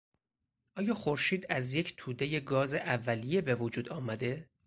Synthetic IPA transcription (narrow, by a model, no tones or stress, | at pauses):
ʔɒːjɒːxoɾʃiːd̪æzje̞cʰt̪ʰuːd̪e̞je̞ɡɒːzeʔævːælije̞be̞vod͡ʒuːd̪ɒːmæd̪e̞